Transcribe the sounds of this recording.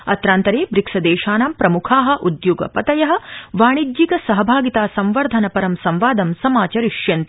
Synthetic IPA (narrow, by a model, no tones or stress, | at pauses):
ɐt̪ɾaːnt̪ɐɾeːbɾiksɐd̪eːʃaːnaːmpɾɐmukʰaːɦɐ̆ʔud̪juːɡɐ̰pɐt̪ɐjɐɦɐ̆ʋaːɳ̃id͡ʒ̪d͡ʒikɐsɐɦɐbʱaːɡit̪aːsɐmʋɐɾd̪ʱɐnɐpɐɾɐmsɐmʋaːd̪ɐmsɐmaːt͡ʃɐɾiʃjɐnt̪